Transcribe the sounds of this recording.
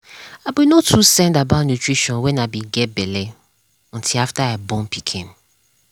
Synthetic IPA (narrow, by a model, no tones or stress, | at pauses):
abinɔtʰːusɛ̃ndabanjutɹiʃɔ̃nwɛ̃nabiɡɛbɛlɛ | ɔ̃ntʰilaftaabɔ̃mpikʰḛ̃m